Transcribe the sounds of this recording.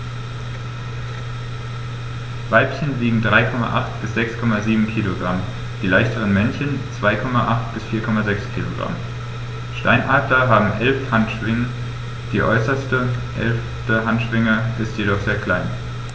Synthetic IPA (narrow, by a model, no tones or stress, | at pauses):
vaɪpçənliːɡŋ̩dʁaɪkʰɔma̰ʔa̰χtb̥ɪsz̥ɛkskʰɔmaziːbm̩kʰiːloɡʁam | d̥iːlaɪçtəʁ̞ənmɛnçənt͡sv̥aɪkʰɔmaʔaχtb̥ɪsfiːɐkʰɔmazɛkskʰiːlo̰ɡʁa̰m | ʃta̰ɪnʔaːtɐɦaːbm̩ʔɛlfhantʃv̥ɪŋə | d̥iːʔɔ̰ʏsɐstəʔɛ̰lf | təɦantʃv̥ɪŋəʔɪstjeɾɔχz̥eːɐkʰl̥aɪn